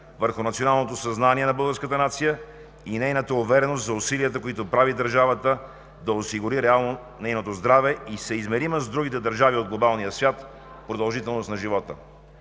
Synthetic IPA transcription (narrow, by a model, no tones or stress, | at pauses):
vəɾxʊnɐt̪sionalˠnot̪osɐznaniɛnɐbəlˠɡəɾskət̪ənat̪sijə | inɛjnət̪əʊvɛɾɛnost̪zɐʊsiliət̪əkoit̪opɾavid̪əɾʒavət̪ə | d̪ɐosiɡʊɾiɾɛalˠno | nɛjnot̪ozd̪ɾavɛisɛizmɛɾiməzd̪ɾuɡ̟it̪ɛd̪əɾʒaviod̪ɡlˠobalˠnijəsvʲjat̪ | pɾod̪ɐlˠʒit̪ɛlˠnost̪nɐʒivɔt̪ə̰